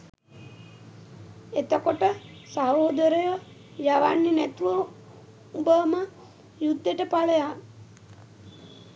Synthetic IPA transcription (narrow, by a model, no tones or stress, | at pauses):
et̪əkoʈəsaoːd̪əɾəjə | jaʋanːinæt̪uʋə | ubəʋmə | jud̪ːeʈəpaləja